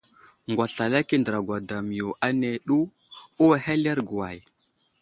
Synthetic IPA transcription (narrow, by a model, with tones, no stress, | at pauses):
ŋɡʷa˨ɬa˨la˦ki˦ndə˨ɾa˨ɡwa˨da˨mi˨jo˨ʔa˦ne˨ɗu˦o˦˨he˦le˦ɾɡu˨wa˨j